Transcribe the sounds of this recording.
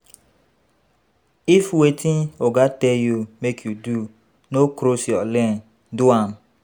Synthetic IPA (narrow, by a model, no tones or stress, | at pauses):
ifwetʰĩnoɡatɛjumekʰjudu | nokɾosjɔlɛ̃n | duãm